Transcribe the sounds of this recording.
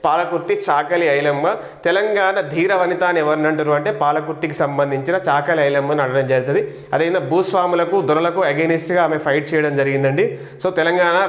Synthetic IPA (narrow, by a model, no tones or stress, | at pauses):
paːlɐkuɾʈːit͡ʃaːkɐliɐjlɐmɡɐ | t̪ɛlɐŋɡaːnɐd̪ʱiːɾɐʋɐnit̪aːnɛʋɐɾnɐɳʈuɾuɐɳʈe̞ːpaːlɐkuɾʈːikisɐmbɐnd̪ʱiɲt͡ʃinɐt͡ʃaːkɐliɐjlɐmɡɐnɐɽɐɽɐmd͡ʒeːɾt̪ɐd̪i | ɐd̪ɐnd̪ɐbuːsʋaːmulɐkud̪uɾɐlɐkuɐɡenisʈɡaːme̞pʰɐjʈ̚t͡ʃɛːjɐɽɐmd͡ʒɐɾiɡind̪ɐɳɖi | soːt̪ɛlɐŋɡaːnɐ